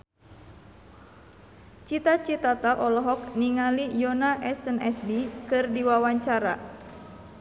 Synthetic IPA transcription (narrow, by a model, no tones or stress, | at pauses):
t͡ʃit̪at͡ʃit̪at̪aʔɔlɔɦɔk̚niŋalijɔnaʔɛsɛnɛsbikɨrdiwawaɲt͡ʃaɾa